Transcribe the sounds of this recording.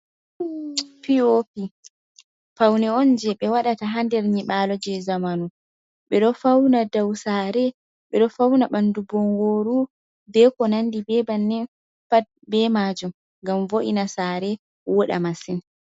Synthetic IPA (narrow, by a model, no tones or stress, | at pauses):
piopi | fawnɛɔnd͡ʒɛɓɛwaɗataɦandɛɾɲiɓaːlɔd͡ʒɛzamanu | ɓɛɗɔfawnadawsaːɾɛ | ɓɛɗɔfawnaɓandubɔŋɡoːɾu | bɛkɔnandibɛbanːɛ | bɛmaːd͡ʒum | ŋɡamvoʔinasaːɾɛ | wɔɗa̰masin